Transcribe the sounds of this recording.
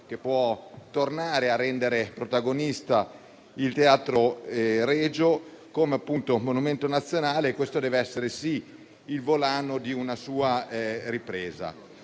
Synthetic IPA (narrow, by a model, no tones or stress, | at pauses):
k̟epːwɔt̪ornaːɾearːɛnd̪eɾepɾot̪aɡonist̪a | ilt̪eaːt̪ɾoɾeːd͡ʒo | komeapːunt̪omonument̪onat̪sːjonaːleːkːwest̪od̪ɛːveɛsːeɾesiː | lvolaːnod̪iunasuːaripɾeːza̰